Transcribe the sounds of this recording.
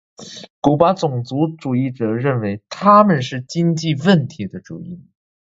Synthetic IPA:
ku˨˩pa˧˥t͡sʊ˨˩ŋt͡su˧˥ʈ͡ʂu˨˩i˥˩ʈ͡ʂɤ˨˩ɻə˥˩nwe˧˥ɪt̪ʰa˥mə˨nʂɻ̩˥˩t͡ɕi˥ŋt͡ɕi˥˧wə˥˩nt̪ʰi˧˥d̪ə˧ʈ͡ʂṵ˨˩i˧˥n

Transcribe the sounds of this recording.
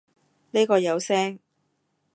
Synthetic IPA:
ni˥kɔː˧jɐ˨˧wsɛː˥ŋ

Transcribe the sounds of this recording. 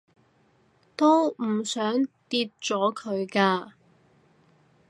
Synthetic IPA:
t̪o˥wm̩˨˩sœː˨˥ŋt̪iː˧t̚t͡ʃt͡sɔː˨˥kʰɵ˨˧ɥkaː˧

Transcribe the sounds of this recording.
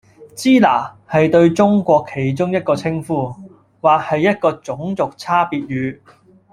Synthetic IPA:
t͡siː˥la̰ː˨˩ | hɐ˨jt̪ɵ˧ɥt͡sʊ˥ŋkʷɔː˧kʰːe˨˩jt͡sʊ˥ŋjɐ˥t̚kɔː˧t͡sʰɪ˥ŋfuː˧˥ | waː˨k̚hɐ˨jːɐ˥t̚kɔː˧t͡sʊ˨˥ŋt͡sʊ˨k̚t͡sʰaː˥piː˨t̚ɥyː˨˧

